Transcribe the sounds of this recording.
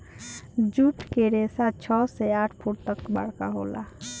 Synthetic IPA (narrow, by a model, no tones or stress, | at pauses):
d͡ʒuʈkeɾesat͡ʃʰɔsɛaʈʰpʰuʈ̚t̪əkba̰ɽkaɦola̰